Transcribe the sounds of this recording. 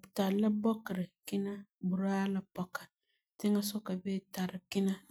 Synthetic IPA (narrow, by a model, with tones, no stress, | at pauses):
bta˨lə˦bɔ˦kɾɪ˨kɪ˦na˦bu˨ɾa˦lə˦pɔ˦ka˨ | tɪ˦ŋa˦sɔ˦ka˨be˦ta˨ɾɪ˨kɪ˦na˦